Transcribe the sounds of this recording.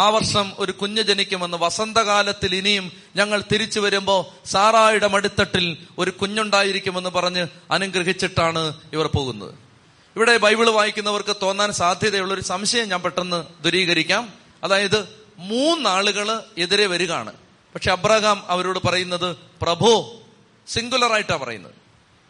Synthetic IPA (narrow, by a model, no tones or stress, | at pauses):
aːʋɐrʂɐmo̞ɾukuɲːɐd͡ʑɐnikʲːume̞nːɨʋɐsɐnd̪ɐɣaːlɐt̪ːilinijum | ɲɐŋːɐɭt̪iɾit͡ɕːuʋɐɾumbo̞ːsaːraːjiɽemɐɽit̪ːɐʈːilo̞ɾukuɲːuɳɖaːjiɾikʲːume̞nːɨpɐrɐɲːɨɐnuŋɡɾɐɦit͡ɕːiʈːaːɳɨiʋɐrpo̞ːɣṵnːɐ̰ðɨ̰ | iʋiɽe̞bʱɐjbiɭʋaːjikʲːunːɐʋɐrkɨt̪o̞ːnːaːnsaːd̪ʱjɐðɐjuɭːo̞ɾusɐmɕɐjɐmɲaːmpeʈːenːɨd̪ʱuɾiːɣɐɾikʲːaːm | ɐðaːjɐðɨ | muːnːaːɭuɣɐɭe̞ðiɾe̞ʋɐɾuɣa̰ːɳɨ̰ | pɐkʂeɐbraːɣaːmɐʋɐɾoːɽɨpɐrɐjunːɐðɨprɐbʱoː | siŋɡulɐraːjiʈːaːmpɐrɐ̰junːɐ̰ðɨ